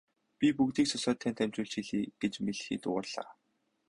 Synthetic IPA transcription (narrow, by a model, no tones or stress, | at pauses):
pʲipukt̪iːksʊsœːt̪ʰːæːnt̪æmt͡ɕʊːɮt͡ɕxiɮiːɡ̥et͡ɕmeɮxiːt̪ʊ̰ə̰̆rɮ̥a̰ː